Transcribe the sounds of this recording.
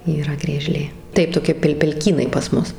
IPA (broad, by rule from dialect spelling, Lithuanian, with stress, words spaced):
iːˈrɐ ɡrʲiɛˈʒʲlʲeː ˈtɐɪ toːˈkʲɪ pʲɛlʲ pʲɛlʲˈkʲiːnɐɪ pɐs ˈmʊs